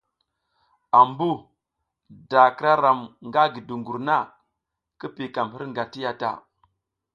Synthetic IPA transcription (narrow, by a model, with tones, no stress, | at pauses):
a˨mbu˦ | da˨ki˦ɾa˦ɾa˨mŋɡa˦ɡi˨du˨ŋɡu˨ɾna˦ | ki˦pi˨ka˨mhi˦ɾŋɡa˨ti˦ja˦ta̰˨